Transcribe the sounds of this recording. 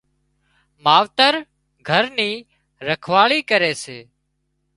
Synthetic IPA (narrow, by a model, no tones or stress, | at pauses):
maːʋt̪əɾ | ɡʱəɾniː | ɾəkʰʋaːɭiːkəɾeːseː